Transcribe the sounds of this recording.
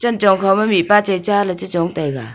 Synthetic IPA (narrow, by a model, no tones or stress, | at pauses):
t͡ʃɐnt͡ʃɔŋkʰawmɐmipat͡ʃajt͡ʃalɐt͡ʃɯt͡ʃɔŋtajɡa̰